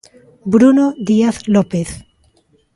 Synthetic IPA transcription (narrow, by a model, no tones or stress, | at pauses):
bɾunoðiaθlopeθ